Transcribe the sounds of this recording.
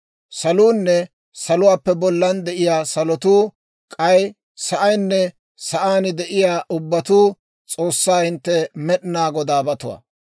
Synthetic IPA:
sɐluːnːɛ | sɐlʊwaːpːɛbɔlːɐnd̪ɛʔɪjaːsɐlɔt̪uː | kʼɐj | sɐʔɐjnːɛ | sɐʔaːnɪd̪ɛʔɪjaːʔʊbːɐt̪uː | t͡sʼoːsːaːhɪnt̪ːɛmɛɗɪnaːɡɔd̪aːbɐt̪ʊwa̰ː

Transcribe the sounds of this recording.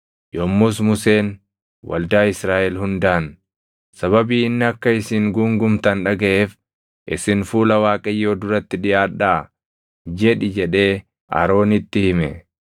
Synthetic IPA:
jɔmːʊs̬mʊseːn | wɐ̰ld̪aːɪsɾaːʔɛlhʊnd̪aːn | sɐβɐbiːɪnːɪɐkːɐɪsɪːŋɡʊŋɡʊmt̪ɐnᶑɐɡɐʔeːf | ʔɪ̰sɪnfuːlɐwaːkʼɐjːo̞ːd̪ʊɾɐt̪ːɪᶑɪaːᶑːaː | d͡ʒɛᶑɪd͡ʒɛᶑe̞ː | a̰ɾo̞ːnɪt̪ːɪhɪmɛ̰

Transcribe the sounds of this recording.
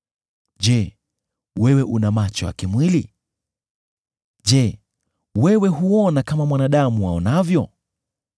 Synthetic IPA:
ʄɛ | wɛwɛʔunamat͡ʃɔ̰ja̰kimwili | ʄɛ | wɛwɛɦuɔnakamamwanaɗamuwaɔnavjɔ

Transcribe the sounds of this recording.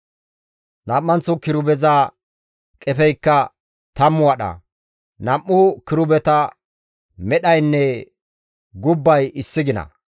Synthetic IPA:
nɐmːɐnt͡sːʊkɪɾʊbɛza | kʼɛfɛjkːɐ | t̪ɐmːʊwɐɗɐ̰ | nɐmːʊkɪɾʊbɛt̪ɐ | mɛɗɐjnːɛ | ɡʊbːɐjɪsːɪɡɪnɐ̰

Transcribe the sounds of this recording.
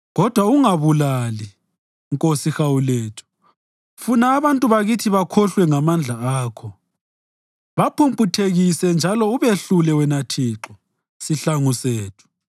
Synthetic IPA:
ɣɔd̥ʱwauŋaβulali | ŋkʼosixawuleːtʰu̥ | funaːβantʼuβaɣitʰiβakʰɔɬwɛŋamand͡ɮʱaaːkʰɔ | βapʰumpʰʼutʰeɣisɛnd͡ʒʱalɔuβeɬulɛwɛnatʰiːǁɔ | siɬaŋuseːtʰu̥

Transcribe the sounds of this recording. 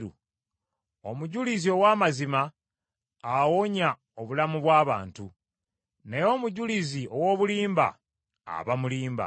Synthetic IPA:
u | omuɟulizio̞waːmazimaː | woɲa | oβulamuβwaːβa̰ːntu | ne̞jo̞ːmuɟuliziʔo̞wo̞ːβuliːmba̰ | a̰βamuliːmba̰

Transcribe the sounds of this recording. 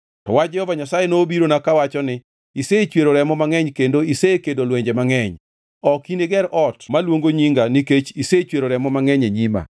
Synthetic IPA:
tɔwad͡ʒɛhɔvaɲasajenoːbiɾonakawat͡ʃɔnɪ | iset͡ʃweɾoɾɛmɔmaŋɛɲkendoisekedolweɲd͡ʒemaŋɛɲ | ɔkineɡɛɾɔtmalwoŋɡoɲiŋɡaniket͡ʃiset͡ʃweɾoɾɛmɔmaŋɛɲeɲima̰

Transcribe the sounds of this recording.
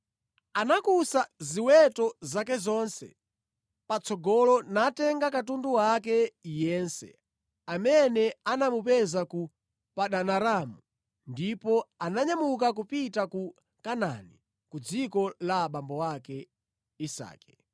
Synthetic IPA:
anakusaziwɛtɔzakɛzɔnsɛ̰ | pat͡sɔɡɔlɔnatɛŋɡakatunduwak̬ɛjɛːnsɛ̰ | amɛnɛanamupɛzaku | paɗanaɾamu | ndipɔanaɲamuk̬ak̬upitaku | kana̰ni | kud͡zikɔlaɓambɔwakɛ | isa̰ːkɛ̥

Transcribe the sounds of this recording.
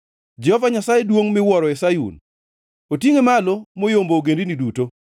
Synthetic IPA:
d͡ʒɛhɔvaɲasajedwoŋmɪwɔɾɔɛsajṵn | otjeŋemalomojomboːɡendiniduto

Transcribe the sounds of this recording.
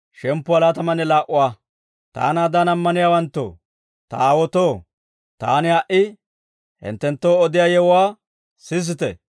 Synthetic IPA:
ʃɛmpːʊɐlaːt̪ɐmɐnɛlaːʔʊwaː | t̪a̰ːnaːd̪aːnɐmːɐnɪjaːwɐnt̪ːo̰ː | t̪ɐaːwɔt̪oː | t̪a̰ːnɪɐʔɪ | hɪ̰nt̪ːɛnt̪ːoːɔd̪ɪjaːjɛwʊwaː | sɪs̬ɪt̪ɛ̰

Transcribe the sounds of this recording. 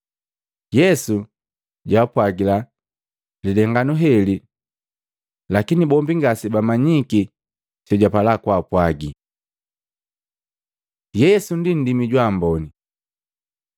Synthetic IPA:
jɛsu | ɟaːpwaɡila | lidɛŋɡanuɦɛli | lakinibɔmbiŋɡasibamaɲiki | t͡ʃɔɟapalakwaːpwaɡi | jɛsundin̩dimiɟwaːmbɔni

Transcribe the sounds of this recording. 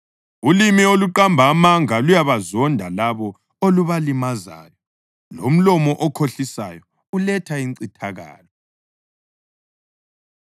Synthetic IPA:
ulimioluǃambʱamaŋalujaβazɔndʱalaβɔ | oluβalimaza̰ːjɔ | lom̩lɔmɔʔɔkʰoɬisa̰jɔ | ulɛtʰaint͡sitʰaɣa̰ːlɔ

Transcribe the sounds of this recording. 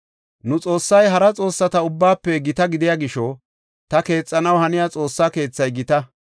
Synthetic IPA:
nʊt͡sʼo̞ːsːɐjɦɐɾɐt͡sʼo̞ːsːɐt̪ɐʊbːaːpːɛɡɪt̪ɐɡɪd̪ɪjaːɡɪʃɔ | t̪ɐke̞ːt͡sʼːɐnɐwhɐnɪjat͡sʼo̞ːsːaːke̞ːt͡sːɐjɡɪt̪ɐ

